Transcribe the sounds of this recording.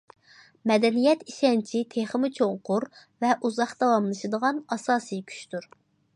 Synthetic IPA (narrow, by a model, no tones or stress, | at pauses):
mɛd̪ɛnijɛt̪iʃɛnt͡ʃʰit̪ʰeχəmɨt͡ʃʰoŋqʊɾvɛʔuzɑχd̪ɑwɑmlˠɨʃɨd̪əʁɑnɑsɑːsɨjkʲʰy̥t͡ʃt̪uɾ